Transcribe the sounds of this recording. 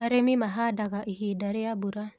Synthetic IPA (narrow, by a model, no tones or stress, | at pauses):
aɾemimaɦadaɡaʔihidaɾeabuɾa